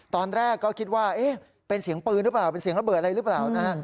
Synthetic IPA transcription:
t̪ɔː˧nɾɛː˥˩kːɔː˥˩kʰi˦˥t̪̚waː˥˩ʔeː˦˥˩ | pe˧nsi˩˦əŋpɯː˧nɾɯ˦˥plaː˨˩pe˧nsi˨˩˦əŋɾa˧bɤː˨˩t̪̚a˧a˧jɾɯː˦˥plaː˨˩wna˦˥ha˦˥ʔ

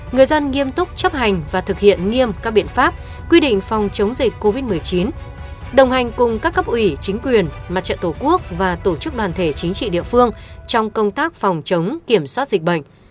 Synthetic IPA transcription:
ŋɨ˨˩əjzə˧nŋi˧əmt̪ʊ˦˥k͡p̚t͡ɕə˦˥p̚ha˨˩jŋ̟vaː˨˩t̪ʰɨ˨˩k̚hḭ˧˨ənŋi˧əmkaː˦˥k̚ɓi˧˨ənfaː˦˥p̚ | kwi˧ɗḭ̈˧˨ŋ̟fɔ˨˩wŋ͡mt͡ɕə˨˦wŋ͡mzï˨˩k̟ko˧vi˦˥t̚mɨ˨˩əjt͡ɕi˨˦n | ɗə˨˩wŋ͡mha˨˩jŋ̟kʊ˨˩ŋ͡mkaː˦˥k̚ːə˦˥p̚ʔwi˧˩t͡ɕï˨˦ŋ̟kwi˨˩ənma˨˩t̚t͡ɕə̰˧˨nt̪o˧˩ku˦˥ək̚vaː˨˩t̪o˧˩t͡ɕɨ˦˥k̚ɗwaː˨˩nt̪ʰe˧˩t͡ɕï˨˦ŋ̟t͡ɕḭ˧˨ɗḭ˧˨əfɨ˧əŋt͡ɕɔ˧wŋ͡mkə˧wŋ͡mt̪aː˦˥k̚fɔ˨˩wŋ͡mt͡ɕə˨˦wŋ͡mki˧˩əmswaː˦˥t̚zi˨˩k̟̚ɓə̰˧˨jŋ̟

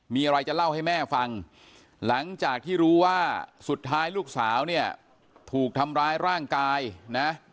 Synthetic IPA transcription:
miː˧ʔa˧ɾa˧jt͡ɕa˨˩la˥˩wha˥˩jmɛː˥˩fa˧ŋ | la˩˦ŋt͡ɕaː˨˩k̚t̪ʰiː˥˩ɾuː˦˥waː˥˩su˨˩t̪ʰːaː˦˥jluː˥˩k̚saː˩˦wni˥˩ɐ | t̪ʰuː˨˩k̚t̪ʰa˧mɾaː˦˥jɾaː˥˩ŋkaː˧jna˦˥

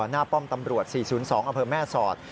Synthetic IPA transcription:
naː˥˩pɔ˥˩mt̪a˧mɾu˨˩ət̪̚siː˨˩suː˩˦nsɔː˩˦ŋʔa˧mpʰɤː˧mɛː˥˩sɔː˨˩t̪̚

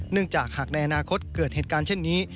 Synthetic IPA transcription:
nɯ˥˩əŋt͡ɕaː˨˩k̚haː˨˩k̚na˧jʔa˧naː˧kʰo˦˥t̪̚kɤː˨˩t̪̚heː˨˩t̪̚kaː˧nt͡ɕʰe˥˩nːiː˦˥

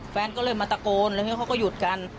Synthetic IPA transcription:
fɛː˧nkɔː˥˩lɤː˧jmaː˧t̪a˧koː˧nlːi˥˩kʰa˦˥˩kɔː˥˩juː˨˩t̪̚ka˧n

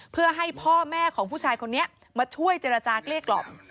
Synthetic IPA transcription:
pʰɯ˥˩ɐɦa˥˩jpʰɔː˥˩mɛː˥˩kʰɔː˩˦ŋpʰuː˥˩t͡ɕʰaː˧jkʰo˧nːi˦˥ɐ | maː˧t͡ɕʰu˥˩əjt͡ɕeː˧ɾa˧t͡ɕaː˧kli˥˩əkːlɔ̰˨˩p̚

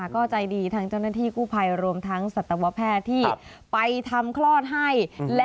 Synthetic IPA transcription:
kɔː˥˩t͡ɕa˧jdiː˧t̪ʰa˦˥ŋt͡ɕa˥˩wnaː˥˩t̪ʰiː˥˩kʰuː˥˩pʰa˧jɾu˧əmt̪ʰa˦˥ŋsa˨˩t̪ːa˧wa˦˥pʰɛː˥˩t̪ʰːiː˥˩ | pa˧jt̪ʰa˧mkʰlɔː˥˩t̪̚ɦa˥˩jl

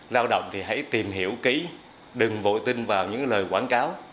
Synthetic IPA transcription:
zaː˧wɗə̰˧˨wŋ͡mt̪ʰi˨˩ɦa̰˧˥jt̪i˨˩mɦi˧˩˨əwki˧˥˦ | ɗɨ˨˩ŋvo̰˧˨t̪i˧ŋ̟vaː˨˩wɲɨ̰˧˥ŋləː˨˩jkwaː˧˩nkaː˨˦w

